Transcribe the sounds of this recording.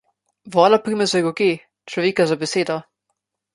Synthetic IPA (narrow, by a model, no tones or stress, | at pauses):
vɔːlapɾiːmɛzɛɡɔɡe | t͡ʃlɔʋeːkazabɛseːd̪ɔ